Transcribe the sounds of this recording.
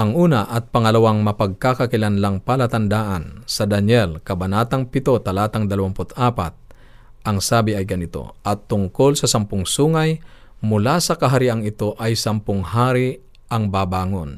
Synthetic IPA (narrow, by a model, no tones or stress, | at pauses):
ʔɐŋʔuːnɐʔɐt̪̚pɐŋɐlawaŋmɐpɐɡ̚kakɐkɪlanlaŋpalɐt̪ɐnd̪aːʔansɐd̪ɐnjɛlkɐbɐnaːt̪aŋpɪt̪o̞t̪ɐlaːt̪aŋd̪ɐlɐwampʊt̪aːpa̰t̪̚ | ʔɐŋsaːbɪɐjɡɐnɪt̪o̞̰ʔɐt̪ːʊŋkolsɐsɐmpʊŋsuːŋaj | mʊlasɐkɐɦaɾiʔaŋɪt̪o̞ʔajsɐmpʊŋhaːɾi | ɐŋbaːbaːŋon